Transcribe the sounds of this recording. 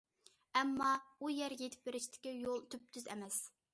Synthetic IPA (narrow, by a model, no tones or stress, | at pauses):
ɛmːɑujɛɾjet̪ʰɪ̥p̚beɾɪʃt̪ʰɪ̥kʲijolˠt̪ʰøp̚t̪ʰyzɛ̰mɛs